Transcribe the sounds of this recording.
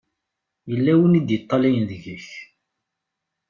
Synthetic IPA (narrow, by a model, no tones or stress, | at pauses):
jəlːæwənid̪jət̪ˤːɑlijnðəʝəç